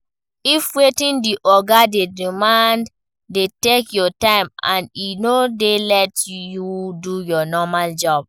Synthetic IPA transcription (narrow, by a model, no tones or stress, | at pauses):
ifwetĩndiʔɔɡadedimãnd | detekjɔtãɪ̃mã̰ninodelɛtjudujɔnɔmald͡ʒɔb̥̚